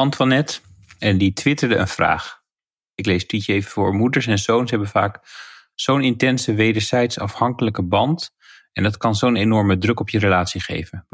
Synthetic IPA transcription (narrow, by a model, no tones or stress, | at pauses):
ɑntfɑnɛt | ɛnditʋɪtəɹdəʔə̰nv̥ra̰ːχ | ɪklejstitəejvəvʊːɹmudəɹsɛnzownsɦɛbənva̰ːk | z̥ownɪntɛnsəʋejdəɹzɛjtsɑ̰fhɑŋkələkəbɑnt | ɛndɑtkɑnzownejnɔɹmədrɵkɔpjərəlaːtsiχḛjvən